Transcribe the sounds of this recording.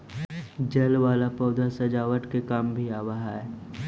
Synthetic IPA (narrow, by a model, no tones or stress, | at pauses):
d͡ʒəlʋaːlapɔːd̪asɐd͡ʒaːʋəʈkekaːmbʱiaːʋəɦaɦɛː